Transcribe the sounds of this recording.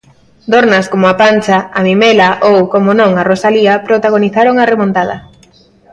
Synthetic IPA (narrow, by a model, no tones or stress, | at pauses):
d̪oɾnɐskomʊapant͡ʃaamimelaʔowkomonõŋarosaliapɾot̪aɣ̞oniθaɾoŋaremõnt̪að̞ɐ̰